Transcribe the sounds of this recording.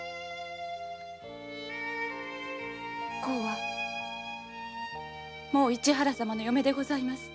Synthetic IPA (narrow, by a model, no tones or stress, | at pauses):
ko̞ːβa | mo̞ːit͡ɕiɦaɾasamano̞jo̞me̞d̪e̞ɡo̞zaimasɨ̥